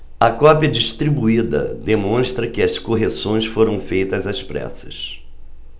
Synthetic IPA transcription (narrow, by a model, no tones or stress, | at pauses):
ɐkɔpjɐd͡ʒiʃt̪ɾibuid̪ɐ̰d̪emõst̪ɾɐkɪɐskoɦesõj̃sfoɾɐ̃w̃fejt̪ɐzɐspɾɛ̰sɐ̥s